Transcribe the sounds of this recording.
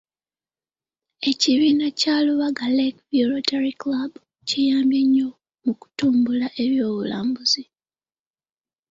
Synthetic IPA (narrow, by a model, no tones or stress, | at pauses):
e̞ciβiːnacaːluβaɡalekvioɾotaɾiklabu | cejaːmbjeɲːo | muku̥tuːmbulaʔe̞βjo̞ːβulaːmbuz̥i